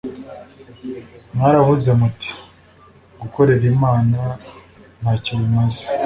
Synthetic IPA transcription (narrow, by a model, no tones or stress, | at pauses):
mŋaɾahuze̞muti̥ | ɡuko̞ɾe̞ɾimaːna | nhaciɾumuzi